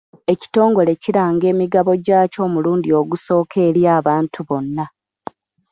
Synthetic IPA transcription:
e̞ci̥to̞ːŋɡo̞le̞ciɾaːŋɡe̞ːmiɡaβo̞ɟaːco̞ːmuluːndio̞ɡuso̞ːkʰe̞ɾjaːβaːntʰuβo̞nːa

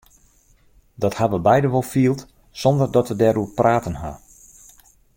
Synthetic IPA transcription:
dɔthaʋəbɛjdəʋɔlˠfiːəlˠt | sɔndərdɔtʋədɛɾuprʔaːtənɦa̰

